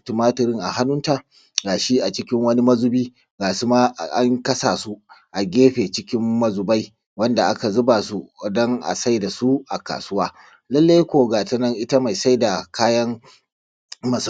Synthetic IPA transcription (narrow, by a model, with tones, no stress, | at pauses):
tɪ˨maː˦tɐ˨ɾɪ˦ŋʔa̰˨ha˦nʊ˦nta˨ | ɡaː˨ʃi˦ʔa˨t͡ʃɪ˦kʲɪ˦ŋwɐ˦ni˦mɐ˦zu˦biː˦ | ɡaː˨su˦ma˦˨ʔa˦ŋkɐ˦saː˨su˦ʔa˨ɡʲeː˦ɸeː˨t͡ʃɪ˦kʲɪ˦mːɐ˦zu˨ba˦j | wɐ˦nda˨ʔa˦ka˨zʊ˦ba˨su˦˨dɔ˦ŋʔa̰˨sa˦jda˨su˦ʔa̰˨ka̰ː˨sʊ˦waː˦ | lɐ˦lːa˦jkʷoː˨ɡaː˨tɐ˦nɐ˦ŋʔɪ˦ta˦ma˨jsa˦jda˨kʰaː˦jɐ˦ŋ | mɐ˨s